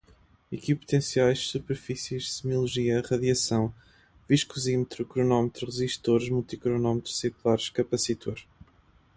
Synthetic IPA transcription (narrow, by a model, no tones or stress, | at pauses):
ikipu̥t̪ẽsiajʃsupɨɾfisiʃsɨmulˠuʒiɐʁɐðjɐsɐ̃w̃ | viʃkuzimt̪ɾukɾunɔmt̪ɾuʁɨʒiʃt̪oɾʒmulˠt̪ikɾunɔmt̪ɾu̥sekulˠaɾʃkɐpɐsit̪ʰoɾ